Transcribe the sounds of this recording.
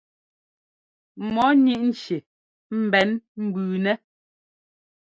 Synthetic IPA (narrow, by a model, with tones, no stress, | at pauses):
mɔ˨˦ɲi˦˨ʔn̩˨t͡ʃe˨ | m̩˨bɛ˨˦nm̩˦bʉː˨nɛ˦